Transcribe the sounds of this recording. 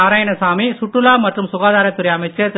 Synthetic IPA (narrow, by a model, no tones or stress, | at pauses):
aːɾaːjɐnɐsaːmisʊʈrɯlaːmɐʈrɯmsʊɣaːðaːɾɐt̪ːɯɾɐjɐmɐɪt͡ʃːɐ